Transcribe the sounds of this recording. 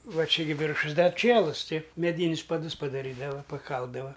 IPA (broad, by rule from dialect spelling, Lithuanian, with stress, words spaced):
ˈʋɐ ˈt͡ʃʲɛ ɡʲɪ ˈʋʲɪrʃʊs ˈdɐr ˈt͡ʃʲiɛlˠʊs ˈtɐɪ mʲɛˈdʲiːnʲʊs pɐˈdʊs pɐdɐˈrʲiːdɐʋɐ pɐˈkɐlˠdɐʋɐ